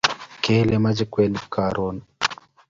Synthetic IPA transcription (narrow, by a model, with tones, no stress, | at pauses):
ke˦le˦ma˦d͡ʒi˦kwɛ˦nka˨ɾʔo˦n